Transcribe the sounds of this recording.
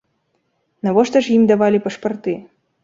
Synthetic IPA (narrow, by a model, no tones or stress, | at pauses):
navɔʂt̪ɐʂjimd̪avalʲipɐʂpɐrt̪ɨ